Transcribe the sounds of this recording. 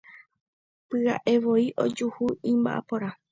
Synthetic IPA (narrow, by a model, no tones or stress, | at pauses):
pɨa̰ʔe̞ʋo̞iʔod͡ʒuhuĩmba̰ʔa̰poɾa